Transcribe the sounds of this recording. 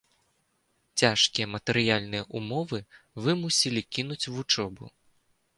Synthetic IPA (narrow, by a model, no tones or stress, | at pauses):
t͡sʲaʂkʲijɐmɐt̪ɛɾɨjalʲnɨjɐʔumɔvɨvɨmusʲilʲikʲinut͡sʲvut͡ʂɔbṵ